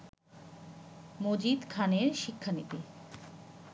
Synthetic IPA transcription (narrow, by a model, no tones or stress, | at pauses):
mod͡ʑid̪kʰaneɾʃikʰːanit̪i